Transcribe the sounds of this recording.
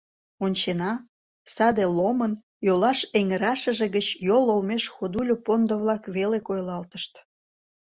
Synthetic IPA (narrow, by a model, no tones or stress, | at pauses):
onʲt͡ɕenɑ | sɑd̪elomən | jolɑʃeŋəɾɑʃə̆ʒeɣət͡ɕjololmeʃxod̪ulʲopond̪oβlɑkβelekojlɑlt̪əʃt̪